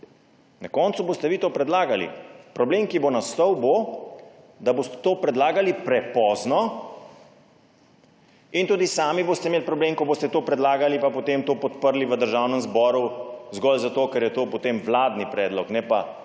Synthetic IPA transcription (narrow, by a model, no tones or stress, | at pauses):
nakɔnsuboːst̪ɛʋiːt̪oːpɾɛd̪laːɡalḭpɾɔbleːmkibonast̪ɔwbo | d̪aboːst̪ɛ̥t̪oːpɾɛd̪laːɡalipɾɛpɔːznɔ | int̪uːd̪isaːmiboːst̪ɛmeːlpɾɔbleːmkɔboːst̪ɛt̪oːpɾɛd̪laːɡalipapot̪emt̪oːpɔt̪pəɾliʋəd̪əɾʒawnəmzbɔːɾuzɡɔlzat̪oːkɛɾjɛt̪oːpot̪eːmʋlaːd̪nipɾɛːd̪lɔknɛpa